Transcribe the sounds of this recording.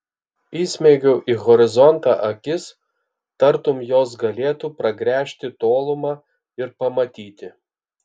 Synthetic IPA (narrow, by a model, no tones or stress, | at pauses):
iːsʲmʲɛɪɡʲɛʊʔiːɣɔɾʲɪzɔnt̪ɑʔɐkʲɪs | t̪ɐɾt̪ʊmjoːs̬ɡɐlʲeːt̪uːpɾɐɡɾʲæːʃʲt̪ʲɪt̪oːlˠʊmɑː | ɪɾpɐmɐt̪ʲiːt̪ʲɪ